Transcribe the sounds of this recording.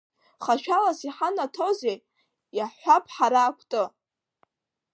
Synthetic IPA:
χaʃᶣalasiħanatʰozej | jaħʷapʰʼħaɾaːkʷʰtʼɨ

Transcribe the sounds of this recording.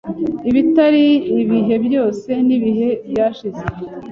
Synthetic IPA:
iβitaɾiːβiɦe̞bjo̞ːse̞niβiɦe̞bjaːʃize

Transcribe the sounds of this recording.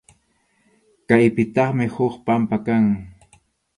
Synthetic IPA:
kajpɪt̪ɑχmɪhoχpampakaŋ

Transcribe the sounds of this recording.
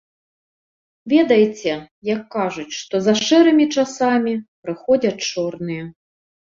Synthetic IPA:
vʲɛd̪ɐjt͡sʲɛ | jɐkːaʐut͡sʲʂt̪ɔzɐʂɛɾɨmʲit͡ʂasamʲipɾɨxɔd͡zʲɐt͡ʂɔrnɨjɛ

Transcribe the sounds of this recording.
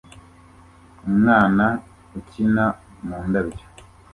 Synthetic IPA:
umŋaːna | ucina | muːndaβjo̥

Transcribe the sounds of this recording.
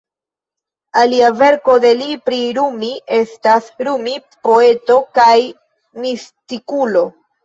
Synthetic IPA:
aliave̞ɾko̞de̞lipɾiɾumiʔe̞stasɾumipo̞e̞to̞kaj | mistikulo̞

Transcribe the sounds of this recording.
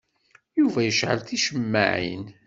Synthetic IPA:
juvæjəʃʕə̰lθiʃəmːa̰ʕḭn

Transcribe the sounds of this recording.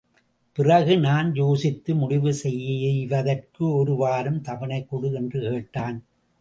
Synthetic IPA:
pɪrɐɣɯnaːnjoːsɪt̪ːɯmʊɽɪʋɯsɛjːɪʋɐðɐrkɯɔɾɯʋaːɾɯmt̪ɐʋɐɳɐɪkːɔɽɯɛndrɯkeːʈːaːn

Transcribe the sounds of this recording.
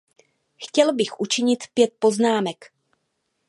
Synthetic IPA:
xcɛlbɪxʔut͡ʃɪɲɪt̪pjɛt̪̚po̞znaːmɛk

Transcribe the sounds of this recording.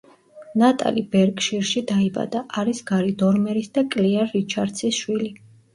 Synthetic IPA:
nat̪ʼa̰libɛɾkʼʃiɾʃid̪aiba̰d̪aʔaɾisɡaɾid̪ɔɾmɛɾisd̪akʼliaːit͡ʃʰaɾd̪sʰisʃwili

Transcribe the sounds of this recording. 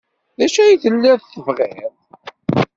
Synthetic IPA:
ðæʃæjiθəlːæðθəvʁeð

